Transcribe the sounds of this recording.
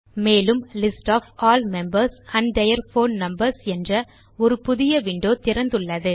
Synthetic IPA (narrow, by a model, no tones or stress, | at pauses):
meːlɯmlɪsʈaːfaːlmɛmbɐɾsɐnɖɐjɐɾfoːnnɐmbɐɾsɛndrɐ | ɔɾɯpʊðɪjɐʋɪɳɖoːt̪ɪɾɐnd̪ɯɭːɐðɯ